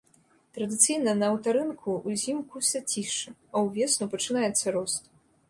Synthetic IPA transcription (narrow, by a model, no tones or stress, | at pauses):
t̪ɾɐd̪ɨt̪sɨjnɐnɐːwt̪aɾɨnkʰuːzʲimkusʲɐt͡sʲiʂɨɐwvʲɛsnupɐt͡ʂɨnajɛt̪sːɐɾɔst̪